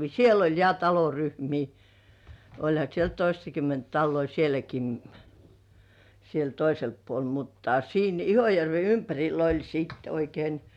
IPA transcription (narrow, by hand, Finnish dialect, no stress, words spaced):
siel olʲ jɑ tɑloryhmiː olʲhɑ siel toistɑkymːent tɑlːoi sielæki ni siel toiselpːuol mutːɑ siːn ihojærʋe ympærʲilˑ olʲ siːt oikein